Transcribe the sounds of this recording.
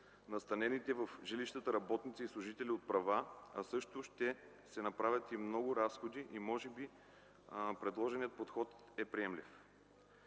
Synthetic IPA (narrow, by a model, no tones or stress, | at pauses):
nɐst̪ɐnɛnit̪ɛvəfʒɛliʃt̪ət̪əɾɐbɔt̪nit̪sislˠʊʒit̪ɛliot̪̚pɾɐvaɐ̰sɤʃt̪ʊʃt̪ɛ | sɛnɐpɾavʲət̪imnɔɡʊɾasxod̪iʔimɔʒɛbi | pɾɛd̪lˠɔʒɛnijət̪̚pot̪xɔt̪ | ɛpɾiɛmlḭf